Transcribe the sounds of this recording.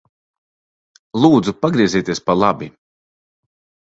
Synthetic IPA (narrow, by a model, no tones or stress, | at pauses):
lˠuːd̪zupaɡɾiɛziːt̪iɛspalˠabi